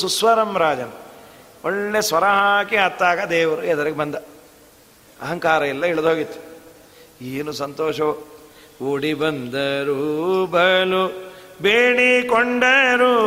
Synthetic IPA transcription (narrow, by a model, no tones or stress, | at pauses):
susʋɐɾɐmɾaːd͡ʒɐnɐ | oɭːesʋɐɾɐɦaːkeɐt̪ːaːɡɐd̪ɛːʋɐɾuɛd̪ɐɾɐɡebɐnd̪ɐ | ɐ̰ɦɐŋkaːɾɐilːɐiɭɐd̪ɦoːɡit̪ːu̥ | eːnusɐnt̪oːʃɐ | oːɽibɐnd̪ɐɾubʱɐɐlubeːɽikoɳɖɐɾu